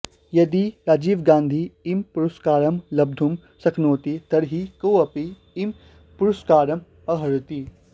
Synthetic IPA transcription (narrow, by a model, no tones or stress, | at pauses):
jɐd̪iɾaːd͡ʒiːʋɡãːnd̪ʱiːmpuɾuskaːɾɐmlɐb̚d̪ʱum | sɐkʰnoːt̪it̪ɐɾɦikowɐpiː | m | puɾuskaːɾɐm | ɐɦɐɾɨt̪i